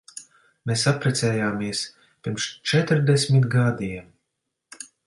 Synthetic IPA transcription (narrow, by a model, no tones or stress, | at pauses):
mʲesapɾɛt̪sɛːjaːmiɛs | pʲiɾmʃt͡ʃɛt̪ɾd̪ɛsʲmʲit̪ɡad̪iɛ